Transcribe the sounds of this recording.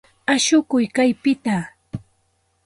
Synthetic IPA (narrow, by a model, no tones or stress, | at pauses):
aʃʊkʊjkajpɪt̪a